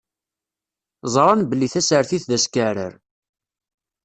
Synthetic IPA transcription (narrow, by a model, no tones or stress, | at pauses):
zˤɾˤɑnbəlːiθæsəɾθiθðæskəɾə̰ɾ